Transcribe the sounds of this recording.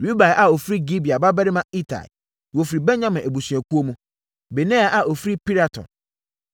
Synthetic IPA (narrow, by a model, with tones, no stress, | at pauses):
ɾu˦ba˨ʔa˨o˨fɾi˦ɡi˦bi˨a˨ba˦bɛ˦ɾɪ˦mã˦i˦tʰa̰˨ | wo˨fi˨ɾi˨bɛ̃˦n˦ɲã˦mɛ̃˨ʔæ˨bu˨sɥæ˨ku˦o˦mũ˦ | be˨nɛ̃˦a˨ʔa˨ʔo˨fɾi˦pi˦ɾa˨tʰɔ̰̃˨n